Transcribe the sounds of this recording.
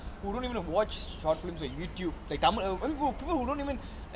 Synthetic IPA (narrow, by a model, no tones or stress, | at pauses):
huɖõːntiʋə̃nʋɔt͡ʃʃɔːʈflɪ̃msɔjuːʈjuːblaɪk̚t̪ãmamĩpiːpəlhuːdõːnʈiːʋə̃n